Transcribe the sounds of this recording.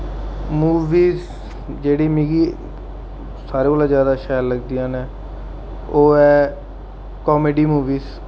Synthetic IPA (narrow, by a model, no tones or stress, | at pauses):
muːʋiːz | d͡ʒeːɽiːmiːɡiː | saːɾeːkoːlaːzjaːd̪aːʃaːjlləɡd̪ijãːneː | oːɛː | kɔːmeːɖiːmuːʋiːz